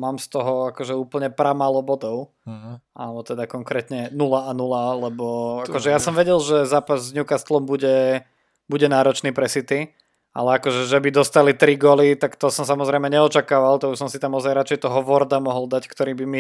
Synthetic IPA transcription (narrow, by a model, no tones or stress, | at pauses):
maːmst̪ɔɦɔakɔʒɛuːpl̩ɲɛpɾamaːlɔbɔd̪ɔʊ | a̰lɛbɔt̪ɛd̪akɔŋkɾɛt̪ɲɛnulaanulalɛbɔakɔʒɛjasɔmʋɛɟɛlʒɛzaːpazzɲukast̪lɔmbuɟɛ | buɟɛnaːɾɔt͡ʃniːpɾɛsit̪i | ʔa̰lɛakɔʒɛʒɛbid̪ɔst̪alit̪ɾiɡɔlit̪akt̪ɔsɔmsamɔzɾɛɪmɛɲɛɔt͡ʃakaːʋalt̪ɔbisɔmsit̪amɔzajɾat͡ʃɛɪjt̪ɔɦɔʋɔɾd̪amɔɦɔld̪ackt̪ɔɾiːbimi